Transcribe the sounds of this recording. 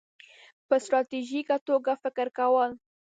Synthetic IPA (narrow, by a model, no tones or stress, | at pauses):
pəst̪ɾɑt̪iʒikat̪oɡafɪkɪɾkawəl